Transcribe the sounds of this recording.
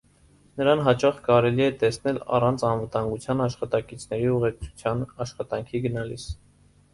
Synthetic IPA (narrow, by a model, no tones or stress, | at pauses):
nəɾɑnɦɑt͡ʃɑχkɑɾɛliɛt̪ɛsnɛlɑ̰rɑnt͡sʰɑnvət̪ɑŋɡut͡sʰjɑnɑʃχɑt̪ɑkit͡sʰnɛɾiuʁɛk̚t͡sʰu̥t͡sʰjɑnɑʃχɑt̪ɑŋkʰiɡənɑlis